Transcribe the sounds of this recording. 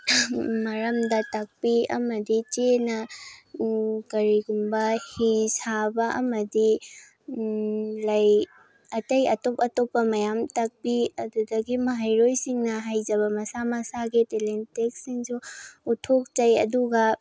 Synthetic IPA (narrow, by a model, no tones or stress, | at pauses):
mɐɾɐmdɐtɐk̚piɐ̰mɐdit͡ʃenɐ | kɐɾiɡumbɐhisabɐʔɐ̰mɐdi | lɐj | ɐtɐjɐtopɐtopːɐmɐjamtɐk̚piɐdudɐɡimɐɦajɾojsiŋnɐɦajd͡ʒɐβɐmɐsamɐsaɡitelentek̚siŋsuːtʰok̚t͡ʃɐjɐ̰duɡɐ